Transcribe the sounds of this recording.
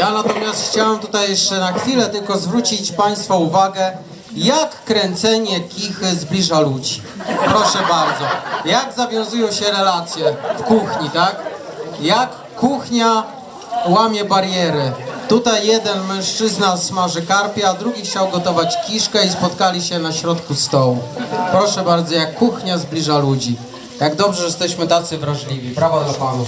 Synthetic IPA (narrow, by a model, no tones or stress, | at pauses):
janat̪ɔmʲjast̪xt͡ɕawɛmt̪ut̪ajːɛʂt͡ʂɛnaxfʲilɛt̪ɘlkɔzvɾut͡ɕit͡ɕpaj̃st̪fɔuvaɡɛ | jakːɾɛnt̪sɛɲɛkʲixɘzblʲiʐalud͡ʑi | pɾɔʂɛbaɾd̪zɔjaɡzavʲjɔ̃w̃zujɔ̃w̃ɕɛɾɛlat̪sʲjɛfkuxɲit̪ak | jakːuxɲa | wamʲjɛbaɾjɛɾɘt̪ut̪ajːɛd̪ɛnmɛ̃w̃ʂt͡ʂɘznasmaʐɛkaɾpʲjiad̪ɾuɡʲixt͡ɕawɡɔt̪ɔvat͡ɕkʲiʂkɛispɔt̪kalʲiɕɛnaɕɾɔt̪kust̪ɔwupɾɔʂɛbaɾd̪zɔjakːuxɲazblʲiʐalud͡ʑi | jaɡd̪ɔbʐɛjɛst̪ɛɕmɘt̪at̪sɘvɾaʐlʲivʲipɾavad̪lapanu